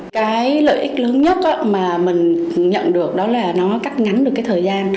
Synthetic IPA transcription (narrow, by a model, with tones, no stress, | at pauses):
kaː˨˦jlə̰ː˧˨jʔï˦˥k̟̚ləː˨˦nɲə˦˥t̚ʔaː˧maː˨˩mï˨˩ŋ̟ɲə̰˧˨nɗɨ˨˩ək̚ɗɔ˨˦laː˨˩nɔ˨˦ka˦˥k̚ŋa˨˦nɗɨ˨˩kaː˨˦jt̪ʰəː˨˩jzaː˧n